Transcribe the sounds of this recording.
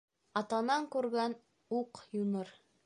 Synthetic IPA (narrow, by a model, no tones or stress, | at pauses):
ɑt̪ɑnɑŋkʉɾɡæn | uqjunɤɾ